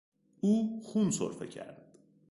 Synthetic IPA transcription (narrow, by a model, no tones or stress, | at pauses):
uːxunso̰ɾfḛcʰæ̰ɾd̪̥